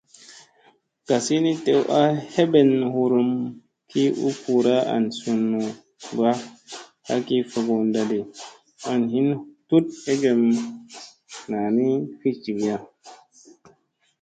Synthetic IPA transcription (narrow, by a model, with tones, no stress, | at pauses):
ɡ̥a˨si˦ni˦te˨wʔa˦he˦be˨nhu˨ɾu˧m | kʰi˦ṵ˦pu˨ɾa˦a̰˨nsu˨nːu˨ | ba˦ | a˦ki˦fa˨ɡo˨nda˨di˨ | a˨nɦi˦ntu˦t̚e˦ɡe˨m | na˨ni˦fi˦t͡ʃi˨ɡi˨ja˦